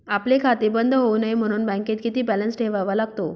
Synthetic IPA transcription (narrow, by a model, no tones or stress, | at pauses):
aplekʰat̪ebənd̪ʱɦounajm̤əɽ̃uːnbə̃ket̪kit̪iːbɛlənsʈʰeʋaʋalaɡt̪o